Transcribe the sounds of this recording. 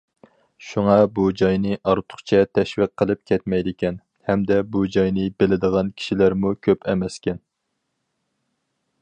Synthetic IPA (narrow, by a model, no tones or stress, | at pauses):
ʃuŋɑbud͡ʒɑjnɨʔɑɾt̪ʰʊ̥χt͡ʃʰɛt̪ʰɛʃwiqʰːəlˠɨp̚kʲʰɛt̪mɛjd̪ɪkʲɛn | hɛmd̪ɛbud͡ʒɑjnɨbɪlɪd̪əʁɑnkʲʰi̥ʃilæɾmukʲʰøpʰɛmɛskʲɛn